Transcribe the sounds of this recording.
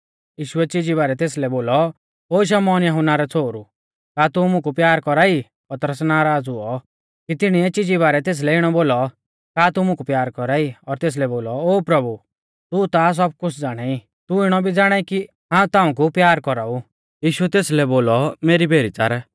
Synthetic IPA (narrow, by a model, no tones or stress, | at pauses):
jiːʃʊɛt͡ʃɪd͡ʒiβaːɾɛt̪eːslɛboːlɔ | oːʃ̬ɐmɔːnjɐɦʊnːaɾɛt͡sʰoːɾu | kaːt̪umʊ̃kupjaːɾkɔɾaːi | pɐt̪ɾəsnaːɾaːd͡zuɔ | kit̪ɪɽ̃iɛt͡ʃɪd͡ʒiβaːɾɛt̪eːs̬lɛɪɽ̃ɔboːlɔ | kaːt̪umʊ̃kupjaːɾkɔɾaːiɔɾt̪eːs̬lɛboːlɔoːpɾɐbu | t̪ut̪as̬ɔb̚kʊt͡sʰd͡zaːɽ̃ai | t̪uɪɽ̃ɔbʱid͡zaːɽ̃aːiki | ɦãːũt̪ãːũk̬upjaːɾkɔɾau | jiːʃʊɛt̪eːslɛboːlɔmeːɾibʱeːɾit͡sa̰ɾ